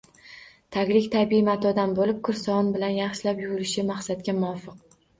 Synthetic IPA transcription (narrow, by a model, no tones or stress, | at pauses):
t̪ʰaɡʲlɪkʲt̪ʰabiimat̪ʰɒd̪anbolɪp̚kʰʊɾsɒɒnbɪlanjɑχʃɪlapjʊɾʊlɪʃɪmaχsat̪kʲamʊɒfɨq